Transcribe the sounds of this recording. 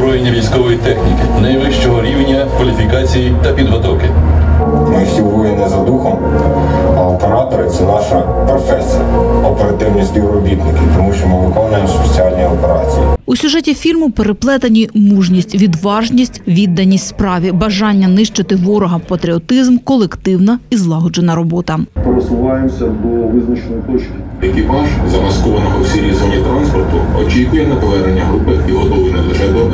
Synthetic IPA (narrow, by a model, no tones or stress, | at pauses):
bɾɔjenʲːɐʋʲijsʲkɔʋɔjit̪ɛxnʲikɪnɐjʋˠɪʃt͡ʃɔɦɔɾʲiwnʲːɐkʋɐlʲifʲikɑt͡sʲijit̪ɐpʲid̪ʋɐt̪ɔkɪ | mɪsʲiɦɔjenɛzɐd̪uxɔm | ɐlˠt̪eɾɑt̪ɔɾɪt̪sɛnɑʃɐ | pɾɔfɛsʲijɐ̰ɔpeɾɐt̪ɪwnʲisʲt̪ʲiwɾɔbʲit̪nɪkʲɪt̪ɔmuʃt͡ʃɔmɪʋɪkɔnʊjemset͡sʲiɑlʲnʲijɔpeɾɑ̰t͡sʲḭjḭusʲʊʒɛtʲifʲilmʊpeɾeplˠɛt̪ɐnʲimuʒnʲisʲtʲʋʲid̪ʋɑʒnʲisʲtʲʋʲid̪ːɐnʲisʲtʲspɾɑʋʲibɐʒɑnʲːɐnɪʃt͡ʃɪt̪ɪʋɔɾɔɦɐpɐt̪ɾʲiɔt̪ɪzmkɔlˠekt̪ɪwnɐizlˠɑɦɔd͡ʒenɐɾɔbɔt̪ɐpeɾesʊʋɑjemsʲɐd̪ɔʋɪznɐt͡ʃenɔjt̪ɔt͡ʃʲkʲɪ̥jɐkʲipɑʒzɐmɐskɔʋɐnɔɦɔwsʲiɾʲizɔnʲit̪ɾɑnspɔrt̪ʊɔt͡ʃʲikʊjɛnɐp̪ɔʋɛɾenʲːɐɦɾupɪiɦɔd̪ɔʋʲinɛlˠeʒɛd̪ɔ